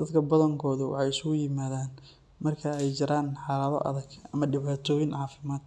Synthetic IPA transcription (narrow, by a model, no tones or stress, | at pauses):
d̪̥ɐd̪kʰɐbɐðɐŋkʰɔːðʊwɑ̰ħɑjɪsʊɣʊjɪmaːðaːn | mɐrkʰɐɛjt͡ʃɪɾaːnħɑːlɐðɐ̰ʔɐ̰ðɐɡʔɐmɐɖɪβaːt̪ʰɔːjɪnʕɑːfɪmaːd̪